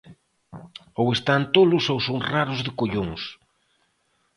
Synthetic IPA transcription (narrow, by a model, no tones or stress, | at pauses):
owest̪ant̪olʊsowsoŋraɾʊzðɪkoʎoŋs